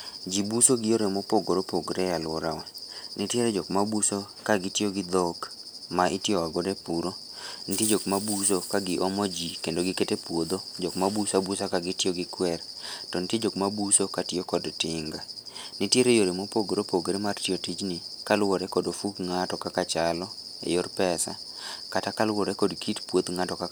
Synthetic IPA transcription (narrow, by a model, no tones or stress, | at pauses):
d͡ʒibusoɡɪjoɾemopoɡoɾopoɡɾejalɔɾawɛnitjeɾed͡ʒɔkmabuso | kaɡɪtjoɡɪd̪ok | maɪtɪoaɡodepuɾo | nitied͡ʒokmabusokaɡɪʔɔmɔd͡ʒikendoɡɪketepwod̪od͡ʒɔkmabusabusakaɡɪtɪoɡɪkwɛɾ | tɔnitjed͡ʒokmabusokatjokɔdtɪŋɡanitjeɾejoɾemopoɡeɾopoɡeɾemartjotid͡ʒnɪkalwoɾɛkɔdofukŋatɔkakat͡ʃalɔ | ḛjorpɛsa̰ | katakalwoɾekɔdkitpwod̪ŋatɔka